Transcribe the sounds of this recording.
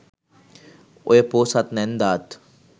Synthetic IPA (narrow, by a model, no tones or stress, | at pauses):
o̰jepoːsat̪nɛnd̪aːt̪